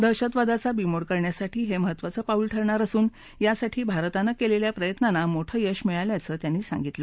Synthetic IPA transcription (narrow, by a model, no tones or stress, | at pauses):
d̪əɾɕət̪ʋad̪at͡sabimoɽkəɾɳjasaʈʰiːɦeməɦət̪ʋat͡səːpauːlʈʰəɾɳaɾəsuːn | jasaʈʰiːbʱaɾt̪anːakeleljapɾəjət̪nanamoʈʰəːjəɕmeɭaljat͡səːt̪janːiːsã̰ŋɡit̪lə